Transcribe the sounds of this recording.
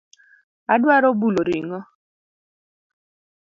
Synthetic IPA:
adwaɾɔbuloɾiŋɔ

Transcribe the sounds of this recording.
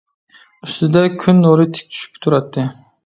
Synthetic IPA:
yst̪ɪd̪ɛkʲʰynːoɾɨt̪ʰɪ̥k̚ʲt͡ʃʰy̥ʃy̥pt̪ʰuɾɑt̪ʰːɨ

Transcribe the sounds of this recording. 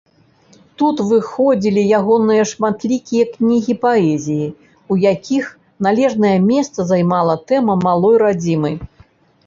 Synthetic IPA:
t̪ut̪vɨxɔd͡zʲilʲijaɣɔnɨjɐʂmat̪lʲikʲijɐknʲiɣʲipaɛzʲiji | ujakʲʰix | nalʲɛʐnɐjɐmʲɛst̪sɐzajmalˠɐt̪ɛmɐmalˠɔjɾad͡zʲimɐj

